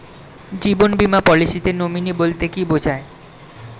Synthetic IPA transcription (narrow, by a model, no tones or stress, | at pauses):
d͡ʑibonbimapɔliʃit̪enominibolt̪ekibod͡ʑʱae